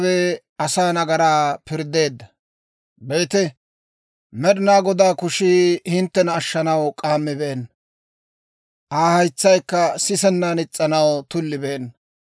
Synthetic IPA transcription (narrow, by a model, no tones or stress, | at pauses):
wɛ | ɐsaːnɐɡɐɾaːpɪɾd̪e̞ːd̪ːɐ | be̞ːt̪ɛ | mɛɗɪnaːɡɔd̪aːkʊʃiːhɪnt̪ːɛnɐʃːɐnɐwkʼaːmːɪbeːnː | ʔaːhɐjt͡sːɐjkːɐsɪsɛnːanɪt͡sʼːɐnɐwt̪ʊlːɪbeːnː